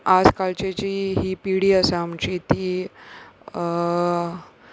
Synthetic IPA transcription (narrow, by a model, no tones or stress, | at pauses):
ad͡zkalt͡ɕat͡ɕiːɦiːpiɽiːəsaːmt͡ɕiːt̪iː